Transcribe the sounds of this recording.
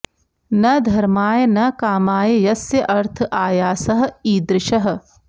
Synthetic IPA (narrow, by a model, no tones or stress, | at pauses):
nɐd̪ʱɐɾmaːjɐnɐkaːmaːjejɐsjɐʔɐɾt̪ʰʔaːjaːsɐɦɐ̆iːd̪ɾɪʃɐɦɐ̆